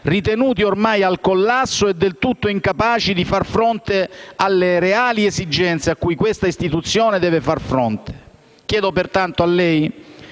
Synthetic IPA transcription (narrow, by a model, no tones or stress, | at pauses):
rit̪enuːt̪iormajalkolːasːoɛd̪ːelt̪ut̪ːoiŋkapaːt͡ʃid̪ifarfɾont̪ealːeɾeaːliezid͡ʒɛnt̪seakːujkwest̪aist̪it̪ut̪sːjoːned̪ɛːvefarfɾont̪ʰe̥ | kjɛːd̪opert̪ant̪oalːɛj